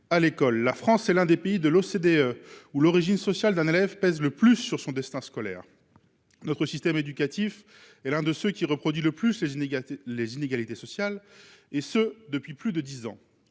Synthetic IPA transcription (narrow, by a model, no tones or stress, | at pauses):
alekɔlːafχɑ̃sɛlɛ̃d̪epeid̪əlosed̪eøulɔʁiʒinsɔsjald̪ɛ̃nelɛvpɛzləplysːyʁsɔ̃d̪ɛst̪ɛ̃skɔlɛ̰ːʁ | nɔt̪χəsist̪ɛmed̪ykat̪if | ɛlɛ̃d̪əsøkʲiʁəpχɔd̪ɥiləplyslelezineɡalit̪esɔsjalesød̪əpɥiplyd̪əd̪izɑ̃